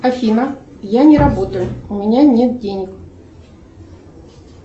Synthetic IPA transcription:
ɐfʲinəjanʲɪɾɐbot̪əjʊʊmʲɪnʲanʲe̞t̪̚dʲenʲɪk

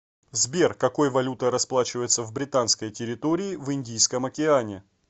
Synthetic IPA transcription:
zbʲerkɐko̞jvɐlʲut̪əɾɐsplˠat͡ɕɪvəjɪt̪səvbɾʲɪt̪anskəjtʲɪɾʲɪt̪o̞ɾʲɪːvɨndʲijskəmɐkʲɪanʲɪ

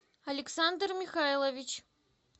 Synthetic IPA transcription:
ɐlʲɪksand̪rmʲixajlˠɐvʲit͡ɕ

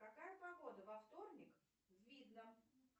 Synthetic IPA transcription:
kɐkajəpɐɡod̪əvɐft̪o̞rnʲɪk | zvʲid̪nə

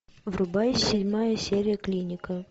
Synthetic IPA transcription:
vrʊbajʲsʲɪdʲmajəsʲeɾʲɪjəklʲinʲɪkə

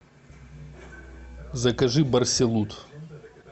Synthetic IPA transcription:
zɐkɐʐɨbɐrsʲelˠut̪

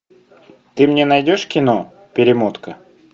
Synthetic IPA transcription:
t̪ɨmnʲenɐjdʲo̞ʂkʲɪno | pʲɪɾʲɪmot̪kə

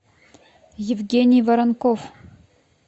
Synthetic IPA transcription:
jɪvɡʲenʲɪjvɐɾɐnkof

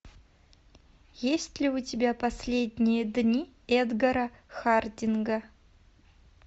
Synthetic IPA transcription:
jesʲtʲlʲɪʊtʲɪbʲapɐsʲlʲedʲnʲɪjəd̪nʲi | ɛd̪ɡɐɾəxardʲɪnɡə

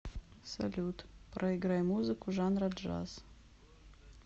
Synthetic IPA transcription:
sɐ̰lʲut̪pɾʔɐiɡɾajmuzɨkʊʒanɾad̪ʒa̰z

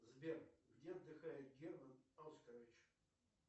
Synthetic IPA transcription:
zbʲerɡdʲeɐd̪ːɨxajɪt̪̚ɡʲermənalskəɾvʲɪt͡ɕ

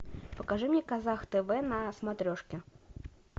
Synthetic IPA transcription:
pəkɐʐɨmɲʲɛkɐzaxt̪ɛvɛnɐsmat̪ɾʲoʂkʲɪ

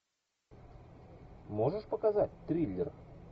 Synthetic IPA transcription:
moʐəʂpəkazat̚ʲt̪ɾʲilʲːɪr

